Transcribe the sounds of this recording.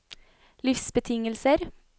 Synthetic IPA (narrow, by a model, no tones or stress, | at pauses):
lɪfsbət̪ʰɪŋəlsəɾ